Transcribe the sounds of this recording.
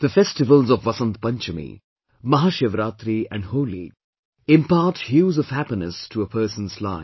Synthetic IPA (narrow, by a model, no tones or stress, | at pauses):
d̪̥əfɛstɪvəlzɔvːʌsə̃nt̪pʌ̃nt͡ʃəmḭ | mɐɦaːʃeʋɾaːt̪ɾiæ̰̃nɖhoːlḭ | ɪ̃mpaːʈhjuːzɔv̥hæpinəstʰuəpʰəːɾsə̃n̩zlã̰ɪ̃